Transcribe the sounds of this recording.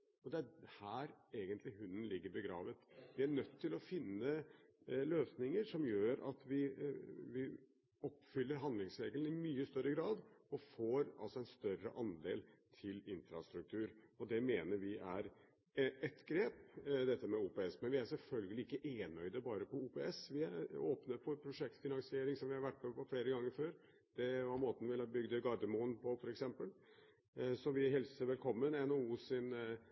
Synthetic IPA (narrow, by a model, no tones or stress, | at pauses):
ɔd̪ɛæhæːɾeːɡənt̪lɪɦʉnːn̩lɪɡːəɾbəɡɾɑ̰ːʋət̪ʋɪæɳœt̪ʰːɪlɔfɪnːə | løːsnɪŋəɾʂɔmjøːɾɑ̰t̪ʋɪʋɪ | ɔpːfʏlːəɾɦɑnd̪lɪŋsɾeːɡəln̩ɪmyːəst̪œɾːəɡɾɑːd̪ɔfoːɾɑ̰lsɔɛnst̪œɾə̰ʔɑnd̪eːlt̪ʰɪlɪnfɾɑst̪ɾʉk̚t̪ʰʉːɾɔd̪ɛmeːnəɾʋɪʔæɾ | ɛt̪ɡɾeːpd̪ɛt̪ːəmɛuːpeːɛsmɛnʋɪæɾsɛlfœlɡəlɪɪkːəʔeːnœʏd̪əbɑːɾəpʰɔuːpeɛsʋɪæoːpnəfɔɾpʰɾʊʂɛk̚t̪fɪnɑnsɪeːɾɪŋsɔmʋɪhɑɾʋæʈːmɛɔfɽeːɾəɡɑŋːəɾføːɾ | d̪̥ɛʋɑɾmoːt̪n̩ʋɪlbʏɡd̪əɡɑɾd̪əmuːnpʰɔfɔɾɛksɛmpəl | sɔʋɪɦɛlsəɾʋɛlkʰɔmːənɛnouːsɪn